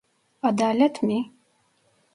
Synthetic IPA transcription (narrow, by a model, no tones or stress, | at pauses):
ad̪aːlɛt̪ʰmi